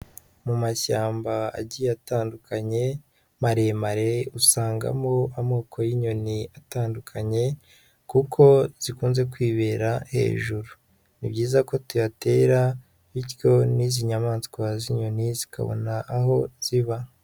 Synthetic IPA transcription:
mumaʃaːmbaa̰ɟijataːndukaɲe̞ | maɾe̞maɾeusaːŋɡa̰moamoːkʰo̞jiɲo̞niataːndukʰaɲe̞ | kukʰo̞z̥ikuːnze̞kwiːβe̞ːɾahe̞̰ːʒuɾu | nibɟiːzako̞tujate̞ɾa | βitjo̞niziɲamaːnskwaziɲo̞nizikʰa̰βo̞̰naʔːɦo̞z̥iβa

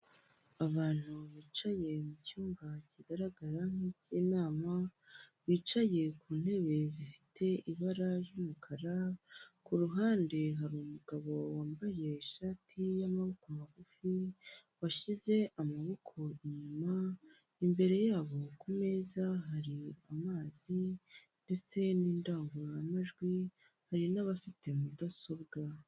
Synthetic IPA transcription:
aβaːn̥huβiːt͡ʃaje̞mucuːmbaciɡaɾaɡaɾaŋ̥iciːnaːmaβiːt͡ʃaje̞kuːn̥he̞βe̞zifi̥tʰe̞iβaɾaɾjumukʰaɾakuɾuɦaːnde̞ɦaɾuːmuɡaβo̞waːmbaje̞ʃaːtʰijamaβo̞koamaɡufi | waʃize̞ʔamaβo̞kʰo̞ɲuma | imbe̞ɾe̞jaːβo̞kume̞zaɦaɾiamaːzinde̞t͡se̞niːndaːŋɡuɾojamaʒɡwi | haɾinaβafitʰe̞mudaso̞bɡa

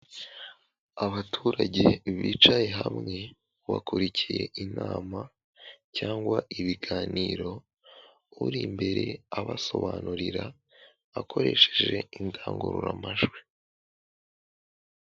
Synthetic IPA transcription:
aβatʰuːɾaɟe̞βiːt͡ʃaje̞ɦamŋe̞ | βa̰kuɾicije̞ʔinaːma | caːŋɡwaʔiβiɡaːniːɾo̞ | uɾimbe̞ɾe̞aβaso̞βanuɾiɾa | akʰo̞ɾe̞ʃeʒe̞indaːŋɡuɾuɾamaʒɡwi

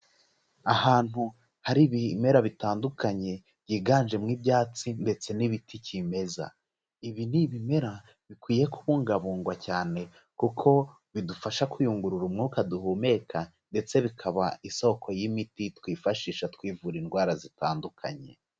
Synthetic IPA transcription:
ahaːn̥hu | haɾiβime̞ɾaβitaːndukaɲe̞ | bɟiːɡaːnʒe̞mŋiːbjaːt͡sinde̞t͡se̞niβitʰicime̞za̰ | iβiniβime̞ɾa | βikwiːje̞kʰuβuːŋɡaβuːŋɡwacaːne̞ | kukʰo̞ | βidufaʃakujuŋɡuɾuɾumŋukaduhume̞kʰa | nde̞t͡se̞βikʰaβaiso̞kʰo̞jimititkwiːfaʃiːʃatwiːvuɾinɡwaːɾazitaːndukʰa̰ɲe̞̰

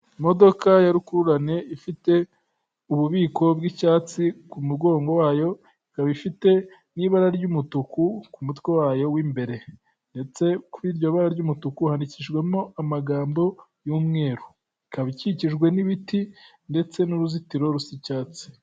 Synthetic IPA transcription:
mo̞do̞kajaɾukuɾuɾane̞ifite̞ | uβuβiːko̞bɡicaːt͡sikumuɡo̞ːŋɡo̞waːjo̞ | ikaβifite̞ | niːβaɾaɾɟumutukukumutwe̞waːjo̞wiːmbe̞ɾe̞ | nde̞t͡se̞kuɾiːɾɟo̞βaɾaɾɟumutukuhandiciʒɡwe̞mo̞amaɡaːmbo̞ | juːmŋe̞ːɾu | ikaβiciciʒɡwe̞niβiti | nde̞t͡se̞nuɾuzitiɾo̞ɾusicaːt͡si̥

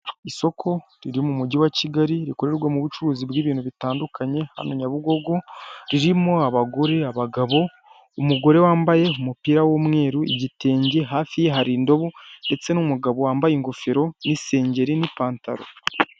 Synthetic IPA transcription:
iso̞kʰo̞ɾiɾimumuɟiwaciɡaɾiɾiko̞ɾe̞ɾɡwamuβut͡ʃuɾuːzibɡiːβiːnhuβitaːndukʰaɲe̞ha̰no̞ɲaβuɡo̞ɡo̞ɾiɾimoaβaɡo̞ɾe̞aβaɡaβo̞ | umuɡo̞ɾe̞waːmbaje̞umupiːɾawo̞mŋe̞ːɾuiɟite̞ːɲɟeɦaːfijeɦaɾiːndo̞βonde̞t͡se̞numuɡaβo̞waːmbajiŋɡofeɾo̞nise̞ːɲɟe̞ɾinipaːnta̰ɾo̰

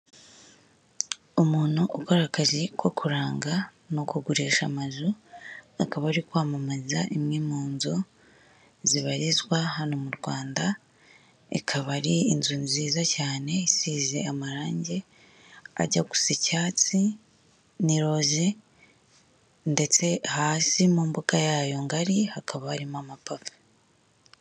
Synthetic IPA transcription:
omuːn̥huʔukoɾakaʒekwo̞kuɾaːŋɡa | nokuɡuɾeːʃamazuakaβaɾikwaːmamazaʔimŋiːmoːnzo | ziβaɾizwahano̞muɾɡwaːnda | ḛkʰaβaɾiːnzuniziːzacaːne̞siːze̞amaɾaːɲɟe̞ | a̰ɟaku̥secaːt͡si | niɾo̞ze | nde̞t͡se̞haːsimuːmbukajaːjo̞ŋɡaɾiakaβaːɾimamapafu̥

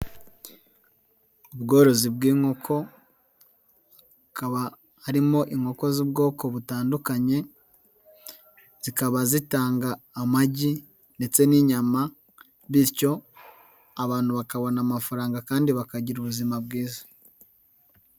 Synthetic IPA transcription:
uβɡo̞ːɾo̞zibɡiːŋo̞kʰo̞ | kaβa | haɾimo̞ʔiŋo̞ko̞zibɡo̞ːko̞βutaːndukaɲe̞ | z̥ikaβazitaːŋɡaːmaɟi | nde̞t͡se̞niɲama | βiɾco̞ | aβaːn̥huβakaβo̞namafaɾaːŋɡakaːndiβakaɟiɾuβuzimabɡiːzḁ

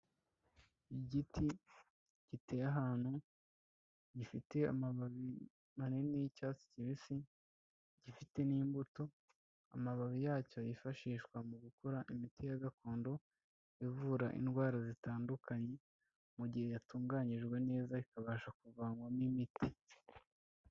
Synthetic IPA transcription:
iɟitʰi | ɟ̥itejaɦaːn̥hu | ɟifite̞a̰maβaβi | manenijicaːsi̥ciβisi | ɟ̥ifite̞niːmbuto̞ | a̰maβaβijaːco̞jifaʃiːʃkwamuɡukoɾaʔimitijaɡako̞ːndo̞ | ivuːɾaʔḭnɡwaːɾazitaːndukaɲe̞ | muɟihe̞jatuːŋɡaɲiʒɡwe̞ne̞ːzaikaβaːʃakuvaːŋɡwanimitʰi

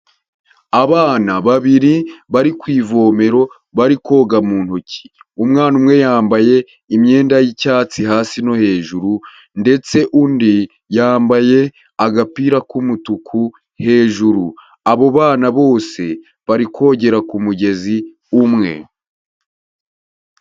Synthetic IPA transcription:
aβaːnaβaβiɾiβaɾikwiːvo̞ːme̞ɾo̞ | βaɾiko̞ːɡamuːnhucʰi̥umŋaːnumŋe̞jaːmbaje̞ | imɲe̞ːndajicaːt͡siɦaːsino̞he̞ːʒuɾu | nde̞t͡se̞ʔundi | jaːmbaje̞ | aɡapiːɾakumutukʰu | he̞ːʒuɾu | aβo̞βaːnaβo̞ːse̞ | βaɾikʰo̞ːɟe̞ɾakumuɟe̞zi | umŋe̞̰

